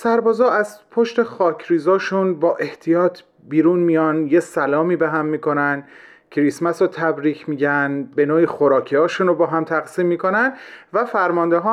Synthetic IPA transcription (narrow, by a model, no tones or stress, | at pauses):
sæɾbɒːzɒːʔæzpʰoʃt̪e̞xɒːcʰɾiːzɒːʃunbɒːʔe̞ht̪ʰijɒːt̪ʰ | biːɾunmijɒːnjesælɒːmiːbeɦæmːiːko̞næn | cʰɾismæsot̪ʰæbɾiːcʰmiːɟænbe̞noːixoɾɒːcʰeɒːʃuːnobɒːɦæmt̪ʰæɣsiːmːiːko̞nænvæfæɾmɒnd̪eɦɒː